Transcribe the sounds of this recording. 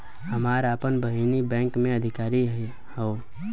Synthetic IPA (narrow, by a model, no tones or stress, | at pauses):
həmaːɾaːpənbəɦinibɛ̃ːŋkmẽəd̪ʱɪkaːɾi | hoː